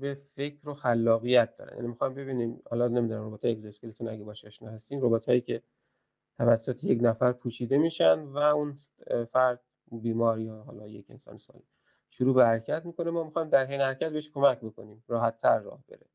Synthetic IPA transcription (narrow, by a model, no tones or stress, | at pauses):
befekʰɾoxælːɒːɣijæt̪̚d̪ɒ̰ɾæ̰njæ̰nimixɒjmbe̞biːniːmhɒ̰ːlɒnemiːd̪unæmɾobet̪hɑjeekzeskelet̪unæɡebɒːʃæʃnɒ̰ːhæst̪iːmrobot̪hɒːjiːcʰe̞ | t̪ʰævæsːot̪ʰeje̞cnæfæɾpʰuːʃiːd̪e̞miːʃænd̪væun | fæɾd̪̥̚ | biːmɒɾiɦɒːlɒːjḛcʰe̞̰nsɒ̰ːnesɒ̰ːlḭm | ʃuɾuːbehæɾcʰæt̪miːko̞nemɒːmixɒːjmd̪æɾhejnehæɾcʰæt̪̚beeʃkʰo̞mæcbo̞ko̞niːmɾɒːhæt̪ʰːæɾːɒ̰ːhbe̞̰ɾe